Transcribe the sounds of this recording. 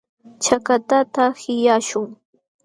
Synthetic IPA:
t͡ʃakat̪at̪ahɪjaʃʊŋ

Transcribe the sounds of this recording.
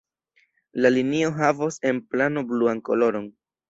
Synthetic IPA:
lalinio̞ɦavose̞nplano̞bluanko̞lo̞ɾo̞n

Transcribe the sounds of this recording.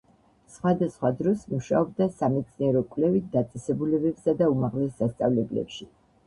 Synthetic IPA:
sχwad̪asχwad̪ɾɔsmuʃaɔb̚d̪asamɛt̪sʰniɛɾɔkʼwlɛvit̪̚ʰd̪at̪sʼɛsɛbulɛbɛpsad̪aumaʁlɛsːast̪sʼa̰vlɛblɛ̰pʃi

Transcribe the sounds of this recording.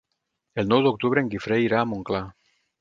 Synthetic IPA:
elnwewðeok̚t̪uβɾeeŋɡifɾeiɾaːmõŋkla

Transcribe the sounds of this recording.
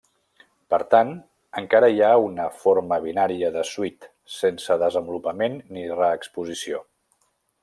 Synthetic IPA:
pəɾt̪an | əŋkaɾəjaunəfoɾməβ̞inaɾiəðəswit̪ | sensəðəzəmbulupəmenːirəːkspuzisio

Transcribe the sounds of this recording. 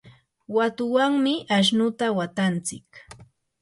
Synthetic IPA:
wat̪ʊwaŋmɪʔaʃ̬nʊt̪awat̪ant͡sɪ̰k

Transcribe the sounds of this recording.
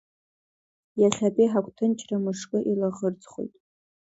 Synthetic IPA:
jaχʲapʼijħakʷʰʼtʰɨnt͡ʃʰʼramɨʂkʼɨʔilaʁərt͡sʼχo̰jtʼ

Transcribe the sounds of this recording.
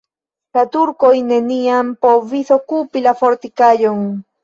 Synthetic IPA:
sat̪uɾkojneniampoβiθokupilafoɾt̪ikajoŋ

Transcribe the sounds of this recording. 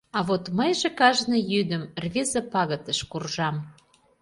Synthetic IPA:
ɑβot̪məjʒekɑʒnɤjyd̪əmrβʲezəpɑɣə̆t̪əʃkurʒɑm

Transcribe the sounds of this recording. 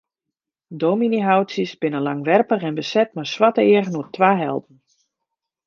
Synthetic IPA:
doːminiɦawtsjəsbɪnəlaŋʋɛrpəχɛnbəsɛt̚maswatəɪəɣənuətʰʋaːɦɛ̰lˠtn̩

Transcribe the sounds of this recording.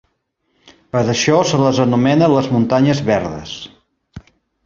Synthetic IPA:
pəɾəʃɔsələzənumɛnələzmunt̪aɲəzβɛɾðəs

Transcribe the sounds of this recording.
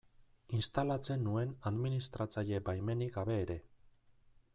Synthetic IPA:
inst̪alat͡se̞nːue̞naðminist̪ɾat͡saʎe̞bajme̞niɡaβe̞ːɾe̞

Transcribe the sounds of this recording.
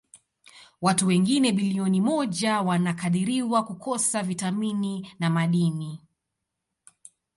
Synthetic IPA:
watuwɛŋɡinɛɓiliɔnimɔʄawanakaɗiɾiwakukɔsavitamininamaɗini

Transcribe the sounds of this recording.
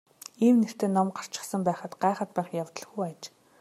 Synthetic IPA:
iːwner̥t̪eːnɔmɢar̥t͡ɕɪ̥̆χsə̆mpæːχə̆t̪ɢæːχə̆t̪̚pæːχjawt̪ə̆ɮ̆xujat͡ɕ

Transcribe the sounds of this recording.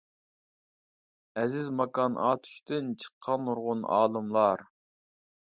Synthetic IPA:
ɛzɪzmɑkɑnʔɑ̰ːt̪ʰy̥ʃt̪ɪnt͡ʃʰə̥qʰːɑnuɾʁʊnɑ̰ːlˠɨmlˠɑɾ

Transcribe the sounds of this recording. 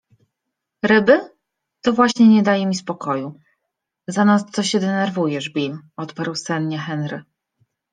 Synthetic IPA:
ɾɘbɘ | t̪ɔvwaɕɲɛɲɛd̪ajɛmʲispɔkɔju | zanast̪sɔɕɛd̪ɛnɛɾvujɛʐbʲimɔt̪paɾwsɛnɲɛxɛnɾɘ

